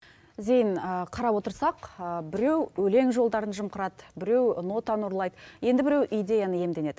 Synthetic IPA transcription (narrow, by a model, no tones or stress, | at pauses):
ze̞jnəqʰɑɾɑpwo̞t̪əɾsɑqbɪɾe̞wɵle̞ŋʒo̞lˠd̪ɑɾənʒəmqəɾɑd̪əbɪɾe̞wno̞t̪ɑnoɾlˠɑjd̪əje̞nd̪ɪbɪɾe̞wʔijd̪ʲe̞janəje̞md̪e̞ne̞d̪̥ɪ